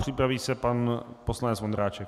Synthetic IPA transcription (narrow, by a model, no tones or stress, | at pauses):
pr̝̥ɪpɾaviːsɛpanposlanɛt͡svond̪ɾaːt͡ʃɛk